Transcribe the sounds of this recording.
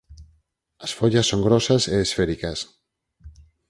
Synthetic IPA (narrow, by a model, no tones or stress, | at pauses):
ɐsfoʎɐsːoŋɡɾɔsɐseːsfeɾikɐs